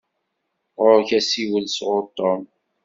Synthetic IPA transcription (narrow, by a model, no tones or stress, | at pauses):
ʁʊɾçæsiwəlsʁʊt̪ˤːom